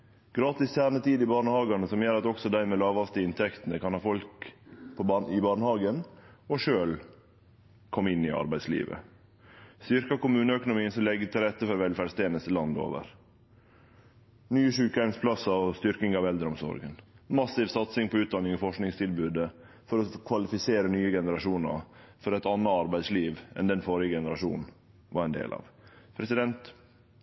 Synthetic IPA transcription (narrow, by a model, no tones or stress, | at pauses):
ɡ̥ɾɑːt̪ɪst̪ʰjæːɾɳət̪ʰiːd̪ɪbɑːɳəhɑːɡɑnəsɔmjøːɾɑt̪ɔksɔd̪æɪmeːlɑːʋɑft̪əɪnt̪ʰɛkt̪ənəkʰɑnhɑːfɔlkpʰɔbɑɪbɑːɳəhɑːɡənɔʂøːl | kʰɔmːɪnːɪɑ̰ɾbæɪslḭːʋə̰ | st̪ʏɾkɑkʊmʉːnəœkʊnʊmiːənsɔmlɛɡːət̪ʰɪlɾɛt̪ːəfɔɾʋɛlfæɖst̪ʰeːnəsəlɑnd̪o̰ːʋə̰ɾ | nyːəʂʉːkəæɪmspʰlɑsɑɔst̪ʏɾkɪŋɑʋɛld̪ɾəɔmsɔ̰ɾɡənmɑsɪʋsɑt̪sɪŋpʰɔʉːt̪̚d̪ɑnːɪŋɔfɔʂknɪŋst̪ʰɪlbʉːd̪ə | fɔɾɔkʰʋɑlɪfɪseːɾənyːəɡɛnəɾɑʂuːnɑ̰ɾfɔɾɛt̪ɑnːɑɑɾbæɪsliːʋɛ̰nd̪ɛnfoɾɪəɡɛnəɾɑʂuːnn̩ | ʋɑɾɛnd̪ḛːlʔɑ̰ʋpʰɾɛsɪd̪ɛnt̪